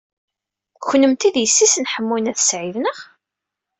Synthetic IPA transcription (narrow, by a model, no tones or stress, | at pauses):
çnːəmt̪iðjəsːisənħəmːunæθsʕivnəʁ